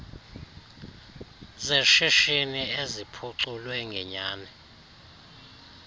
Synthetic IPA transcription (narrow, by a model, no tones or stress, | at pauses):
zeʃiʃiniezipʰuǀulwɛŋɡʱɛɲaːnɛ